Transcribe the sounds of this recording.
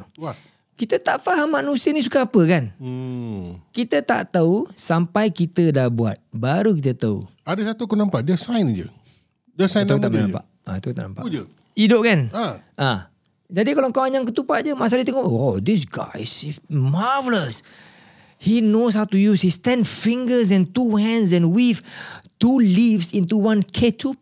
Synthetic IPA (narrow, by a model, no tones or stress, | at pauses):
wa | kit̪ət̪aʔfaɦamːanũsiənĩs̬ukaapəkan̩ | kit̪ət̪a̰ʔt̪ausampajkit̪ədahbua̰t̪̚baɾukit̪ət̪aṵadəsat̪ukunãmpaʔdiəsajnd͡ʒə̰ | diasajnaut̪aʔmənãmpa̰ʔa̰t̪aut̪aʔnampa̰d͡ʒə | idoʔkanaʔã | d͡ʒadikalaŋkawaɲãŋkət̪upaʔ̚d͡ʒəmas̬alit̪ɛŋoʔod̪is̬ɡa̰jsmavələs | hinos̬hawtujushist̪ɛ̃nfĩŋɡəs̬ɛ̃nt̪uhɛ̃ns̬ɛ̃nwift̪ulivsĩnt̪uwãnkʰetʰu